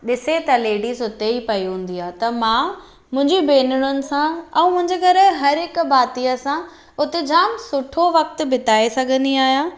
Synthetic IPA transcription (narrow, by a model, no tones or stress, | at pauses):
ɗɪset̪ɐleːɽisʊt̪eipɐiɦũːn̆d̪iaːt̪ɐmã | mʊ̃ɦɪ̃ɲd͡ʑibeːnʊɽ̃ʊnɪ̆sãɛ̃ːmʊ̃ɦɪ̃ɲd͡ʑeɡɐɾɦɐɾɦɪkʊbaːt̪iəsã | ʊt̪ed͡ʑʱaːmsʊʈʰoʋɐkt̪ʊ̆bɪt̪aːesɐɡʱə̃nd̪iaːɦijãː